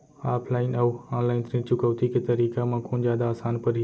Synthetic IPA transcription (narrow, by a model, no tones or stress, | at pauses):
aːpʰlaːɪnɐʋaːnlaːɪnt̪ɾɪ̃t͡ʃʊkəʋt̪iket̪ɐɾiːkamãkʰõːnd͡ʑaːd̪aːsaːnpɐɾ